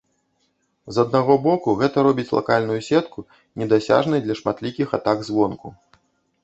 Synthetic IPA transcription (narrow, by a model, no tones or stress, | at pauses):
zɐd̪̚naɣɔbɔkuɣɛt̪ɐɾɔbʲit͡sʲlˠa̰kalʲnujusʲɛt̪ku | nʲɛd̪asʲa̰ʐnɐjd̪lʲɐʂmat̪lʲikʲixa̰t̪aɡzvɔnku